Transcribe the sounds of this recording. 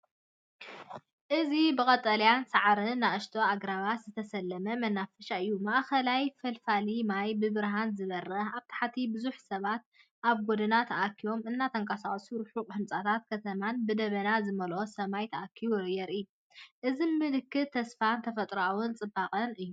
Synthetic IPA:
ʔɨzibɨkʼɐt̪ʼɐlijansaʕɾɨnːaɨʃt̪ʰoaɡɾaβaz̥ɨt̪ʰɐsɐlːɐmɐmɐnːafɐʃaɨjːumaʔxɐlajfɐlfalimajbɨβɨɾɦanzɨβɐrːɐaβt̪ʰḁħat̪ʰibɨzuħsɐβat̪̚ | ʔaβɡod̪ɨnat̪ʰɐʔakʰːijo̞mɨnːat̪ʰɐŋkʼasaχʼsuɾuħuqʼhɨnt͡sʼat̪ʰat̪kʰɐt̪ʰɐmanbɨd̪ɐβɐnazɨmɐlʔo̞sɐmajt̪ʰɐʔakʰːiβuɾɨjɛɾɨjːu | ʔɨzimɨlɨkːɨtt̪ʰːɐsfant̪ʰɐfɐt̪ʼɾawunt͡sʼɨbaqʼɐnɨjːu

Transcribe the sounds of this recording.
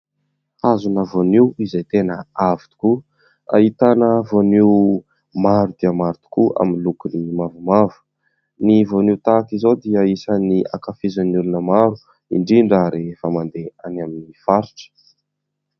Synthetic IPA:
azunavoniwizejt̪enəavi̥t̪u̥ku | a̰it̪anəvoniw | maɾud̪̥iəmaɾt̪u̥kua̰minlukunimavumavu̥ | nivoniwt̪akizod̪iəisənia̰kafizənulunəmaɾu | ḭɳɖ͡ʐiɳɖ͡ʐaɾefamand̪eanaminifaɾiʈ͡ʂə̥

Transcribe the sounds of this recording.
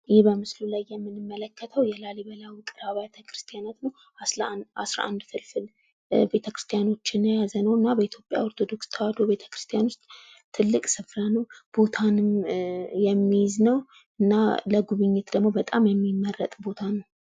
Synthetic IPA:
jɪhbəmɨslulajːɛmːɨnɨmːələkʰːət̪ʰəwjɛlaliβəlawikʼɨɾaβajat̪ʰəkʰɾɨ̥st̪ʰijanat̪nəw | aasɾa̰ʔa̰nd̪fɨlfɨl | be̞t̪ʰəkɾɨst̪ʰijano̞t͡ʃːɪnːəjazənəwɨnːabəit̪ʰjo̞pʼja̰o̞ɾt̪ʰo̞d̪o̞kst̪ʰəwad̪obe̞t̪ʰə̥kɾɨ̥st̪ʰijanʊst̪ʼ | t̪ʰːɨlːɨkʼsɨfɾanəwb̥o̞t̪ʰanɨmjɛmːijɪznəw | ɨnːaləɡuβɨɲːɛt̪d̪əɡmo̞bət̪ʼamjɛmːimːərːət̪ʼbo̞t̪ʰanəw

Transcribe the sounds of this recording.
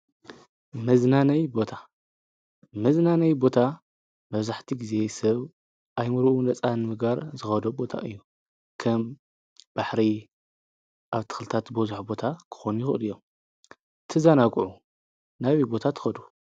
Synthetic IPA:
mɐznanɐjbo̞t̪ʰa | mɐznanɐjbo̞t̪ʰa | mɐβzaħt̪ʰiɡize̞sɐβ | ʔajmɨɾuʔunɐt͡sʼanɨmɨɡaɾzɨxɐd̪obo̞t̪ʰa̰ʔɨ̰jːu | kʰɐm | b̥aħɾi | ʔaβt̪ʰɨ̥xlɨt̪ʰat̪bɐzuħbo̞t̪ʰakʰɨ̥xo̞nujɪxɨʔɨlijːo̞m | t̪ʰɨzanakʼʕu | naβibo̞t̪ʰat̪ʰɨ̥xɐd̪u

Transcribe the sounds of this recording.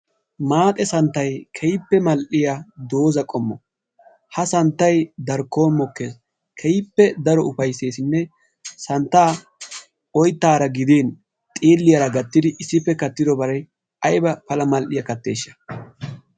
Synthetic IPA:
maːt̪ʼɛsɐnt̪ːɐjkʰɛjɪpːɛmɐlʔɪjad̪o̞ːzɐkʼɔmːɔ | hɐsɐnt̪ːɐjd̪ɐɾkːo̞ːnmɔkːe̞ːs | kʰɛjɪpːɛd̪ɐɾɔʊfɐjse̞ːsɪnːɛ | sɐnt̪ːaː | ɔjt̪ːaːɾɐɡɪd̪eːn | t̪ʼeːlːɪjɐɾɐɡɐt̪ːɪd̪ɪʔɪsːɪpːɛkɐt̪ːɪd̪ɔbɐɾɐj | ʔɐjbɐpɐlɐmɐlʔɪjɐkɐt̪ːe̞̰ːʃːɐ̥

